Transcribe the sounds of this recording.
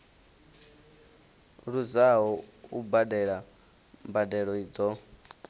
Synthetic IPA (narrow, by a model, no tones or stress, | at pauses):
ɺuzaɦɔubadɛɺa | mbadɛɺɔid͡zɔ